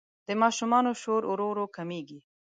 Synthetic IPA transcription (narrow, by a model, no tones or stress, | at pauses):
d̪̥əmɑʃumɑnoʃoɾoɾoɾokameɡi